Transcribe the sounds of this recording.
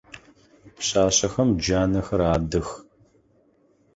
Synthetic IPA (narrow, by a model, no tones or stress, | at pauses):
pɕaːɕɐxɐmd͡ʒaːnɐxɐɾaːdɨx